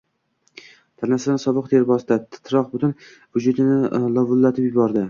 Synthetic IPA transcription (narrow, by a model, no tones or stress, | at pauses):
t̪ʰanasɪd̪ansɒbɨq̚d̪ʰeɾbɒsd̪at̪t̪ʰɾɒq̚bʊt̪ʰʊn | vʊd͡ʒʊt̪ʰɪnɪlˠɒvʊlːat̪ʰɪpjʊbɒɾd̪ɪ